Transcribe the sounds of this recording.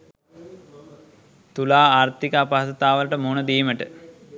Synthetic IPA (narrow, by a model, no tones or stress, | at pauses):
t̪ulaːaːɾt̪ikəapaɦsɐt̪aːʋələʈəmunəd̪iːməʈə̰